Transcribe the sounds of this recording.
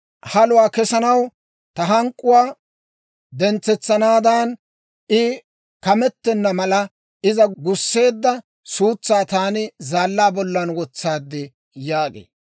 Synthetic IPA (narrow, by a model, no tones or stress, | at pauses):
hɐlʊwaːkɛsɐnɐw | t̪ɐɦɐŋkʼːʊwaː | d̪ɛnt͡sːɛt͡sːɐnaːd̪an | ʔɪ | kɐmɛt̪ːɛnːɐmɐlɐ | ɪzɐɡʊsːe̞ːd̪ːɐ | suːt͡sːaːt̪aːnɪzaːlːaːbɔlːɐnwɔt͡sːaːd̪ːɪ | jaːɡḛː